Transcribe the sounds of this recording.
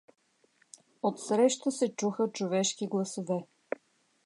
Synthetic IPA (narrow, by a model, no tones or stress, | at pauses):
ot̪sɾɛʃt̪əsɛt͡ʃuxət͡ʃovɛʃkiɡlˠɐsovɛ